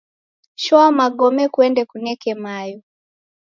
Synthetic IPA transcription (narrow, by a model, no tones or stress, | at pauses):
ʃɔamaɠɔmɛkuɛndɛkunɛkɛmajɔ